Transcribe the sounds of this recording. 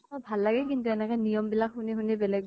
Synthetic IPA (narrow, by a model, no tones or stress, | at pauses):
ɔbʱalːaɡɛkintuɛnɛkanijɔmbilakhuniɦunibɛlɛɡ̚